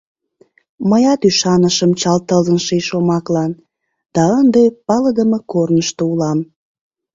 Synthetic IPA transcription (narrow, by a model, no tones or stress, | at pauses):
məjɑt̪yʃɑnəʃəmt͡ɕɑlt̪əlzənʃeʃomɑklɑn | d̪̥ɑənd̪epɑləd̪əməkornəʃt̪oulɑm